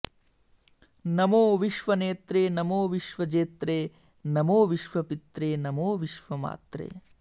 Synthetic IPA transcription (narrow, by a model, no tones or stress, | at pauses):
nɐmoːʋiʃʋɐneːt̪ɾeːnɐmoːʋiʃʋɐd͡ʒeːt̪ɾeː | nɐmoːʋiʃʋɐpit̪ɾeːnɐmoːʋiʃʋɐma̰ːt̪ɾḛː